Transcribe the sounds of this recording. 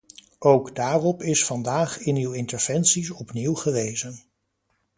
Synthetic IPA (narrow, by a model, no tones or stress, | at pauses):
owɡdaːrɔpɪsfɑndaːχɪnywɪntəɹv̥ɛnsis̬ɔpniwχəʋejzən